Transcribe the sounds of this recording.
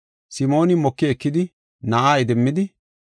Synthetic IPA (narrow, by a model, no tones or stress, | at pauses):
sɪmo̞ːnɪmɔkːɪɛkːɪd̪ɪ | nɐʔaːjɪd̪ɛmːɪd̪ɪ